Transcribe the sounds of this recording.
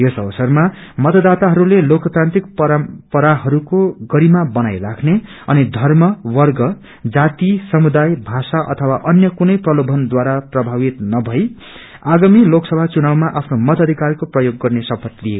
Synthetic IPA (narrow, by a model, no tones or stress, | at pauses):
josʌbʌsʌrmamʌt̪ʌd̪at̪aɦʌɾulelokt̪ɾant̪rikpʌɾampʌɾaɦʌɾukoɡʌɾimabʌnajrakʰne | ʌ̰nid̪ʱʌrmʌwʌrɡʌ | d͡zat̪isʌmud̪ajbʱasaʔʌ̰t̪ʰʌwaʔʌnjʌkunʌjprʌlobʱʌnd̪waɾaprʌbʱawit̪nʌbʱʌj | aɡamiloksʌbʱat͡sunawmaʔapʰnomʌt̪ʌd̪ʱikarkoprʌjoɡːʌrnesʌpʌt̪lije